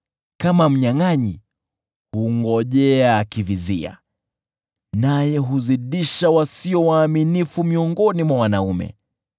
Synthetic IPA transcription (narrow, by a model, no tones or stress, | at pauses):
kamam̩ɲaŋaɲi | huŋɡɔʄɛaːkivizḭa̰ | najɛɦuziɗiʃawasiɔwaːminifumiɔŋɡɔnimwawanaumɛ̰